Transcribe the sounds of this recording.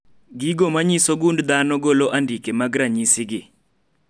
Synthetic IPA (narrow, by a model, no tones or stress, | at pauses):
ɡiɡomaɲisoɡundd̪anɔɡoloʔandikemaɡɾaɲisɪɡɪ